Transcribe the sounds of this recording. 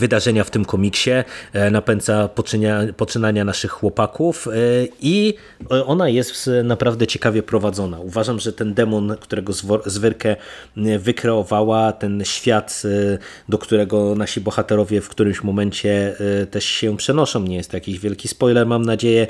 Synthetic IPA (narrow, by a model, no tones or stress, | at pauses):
vɘd̪aʐɛɲaft̪ɘmkɔmʲikɕɛnapɛnt̪sapɔpɔt͡ʂɘnaɲanaʂɘxːwɔpakufi | ɔnajɛst̪napɾavd̪ɛt͡ɕɛkavʲjɛpɾɔvad̪zɔnauvaʐamʐɛt̪ɛnd̪ɛmɔnkt̪uɾɛɡɔzvɔzvɘɾkɛvɘkɾɛɔvawat̪ɛnɕfʲjat̪ | d̪ɔkt̪uɾɛɡɔnaɕibɔxat̪ɛɾɔvʲjɛfkt̪uɾɘmɕmɔmɛnt͡ɕɛt̪ɛʂɕɛ̃pʂɛnɔʂɔ̃w̃ɲɛjɛst̪jakʲiʑvʲjɛlkʲispɔjlɛɾmamnad͡ʑejɛ